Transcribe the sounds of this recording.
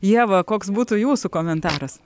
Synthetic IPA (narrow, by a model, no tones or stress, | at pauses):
jiɛʋɐkoːksbuːt̪ʊjuːsʊkoːmʲɛnt̪ɑːɾɐs